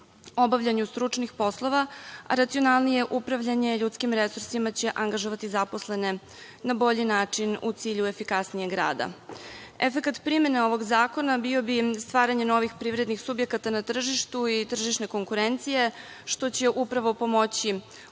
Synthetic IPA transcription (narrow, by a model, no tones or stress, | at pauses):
o̞baʋʎaɲust̪ɾut͡ʂnixpo̞slˠo̞ʋaa̰ɾat̪sio̞nalˠnije̞ʔupɾaʋʎaɲe̞ʎut̪skimɾe̞suɾsimat͡ɕe̞ʔaŋɡaʒoʋat̪izapo̞sle̞ne̞ | nabo̞ʎinaːt͡ʂinṵt̪siːʎue̞fikasnijeɡɾa̰ːd̪a̰ | e̞fe̞kat̪pɾime̞neo̞ʋo̞ɡzaːko̞nabio̞bist̪ʋaːɾaɲeno̞ʋixpɾiːvɾe̞d̪nixsubje̞kat̪anat̪r̩ʒiʃt̪uit̪r̩ʒiʃne̞ko̞ŋkuɾe̞nt̪sije̞ | ʃt̪o̞t͡ɕe̞ʔupɾaʋo̞po̞mo̞t͡ɕi